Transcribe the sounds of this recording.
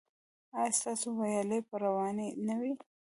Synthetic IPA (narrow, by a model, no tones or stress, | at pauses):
ɑjɑst̪ɑsowajɑlepəɾawɑnenawi